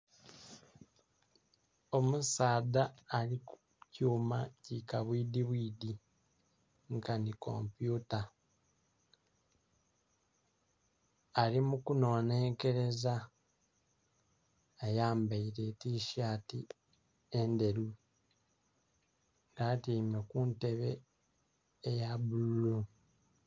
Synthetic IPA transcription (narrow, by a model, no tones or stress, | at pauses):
o̞musaːdaːliku | cuːmacikaβwiːdiβwiːd̪i | ŋkaniko̰mpjuːta | limukuno̞ːne̞ːŋke̞ɾe̞za | ejaːmbaiɾetiːʃaːti | ende̞ɾu | ŋɡatiːmekunte̞βe̞ | ejabululu